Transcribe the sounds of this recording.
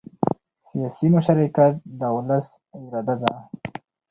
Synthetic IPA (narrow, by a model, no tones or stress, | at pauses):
sijɑsimʊʃaɾikat̪̚d̪əwlas | ɪɾɑd̪ad̪a